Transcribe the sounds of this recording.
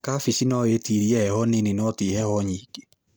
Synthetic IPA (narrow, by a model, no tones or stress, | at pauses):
kafisinɔetiɾiɛhɛhɔneninɔtihɛhɔɲiːɡ̥e